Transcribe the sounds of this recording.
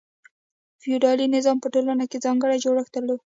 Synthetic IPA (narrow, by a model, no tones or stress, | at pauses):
fijuɖɑlinɪzɑmpəʈolanakezɑŋɡəɽajd͡ʒoɽəxt̪əlo